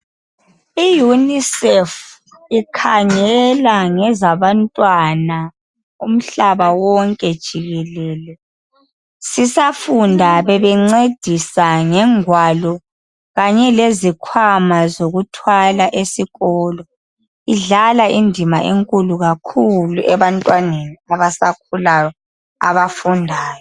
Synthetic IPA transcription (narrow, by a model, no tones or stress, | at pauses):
ijunisɛf | ikʰaŋɛlaŋɛzaβantʼwana | um̩ɬaβawɔŋkʼɛd̥ʒ̥ʱiɣɛlɛːlɛ | sisafundʱaβɛβɛŋ͡ǀed̥ʱisaŋɛŋwalɔ | ɣaɲɛlezikʰwamazoɣutʰwalaʔesiɣɔːlɔ | iɮalaʔindʱimaʔḛŋkʼuluɣakʰuluʔɛβantʼwaneniaβasak̚ʰulajɔ | a̰βafundʱaːjɔ